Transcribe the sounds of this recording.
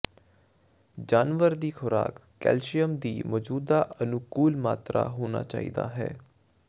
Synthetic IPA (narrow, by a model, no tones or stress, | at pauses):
d͡ʒaːnʋəɾd̪iːxʰʊɾa̰ːkːɛ̰ːlʃijəmd̪iːmɔːd͡ʒuːd̪aːʔənʊkuːlmaːt̪ɾa̰ːɦoːna̰ːt͡ʃaːḭːd̪a̰ːɦɛ̰ː